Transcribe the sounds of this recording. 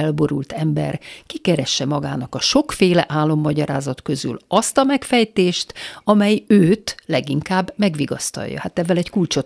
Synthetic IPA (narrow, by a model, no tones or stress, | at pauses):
ɛlbo̞ɾult̪ʰɛmbɛ̰rkikɛɾɛʃːɛmɒɡa̰ːnɒkɒʃo̞kfeːlɛ̰ʔaːlːo̞mːɒɟɒɾa̰ːzɒt̪kø̞zy̰lɒst̪ɒmɛkfɛjt̪eːʃt̪ɒmɛjøːt̪lɛɡiŋkaːbːmɛɡʋiɡɒ̰st̪ɒ̰jːɒ̰hat̪ɛvːɛlɛckult͡ʃo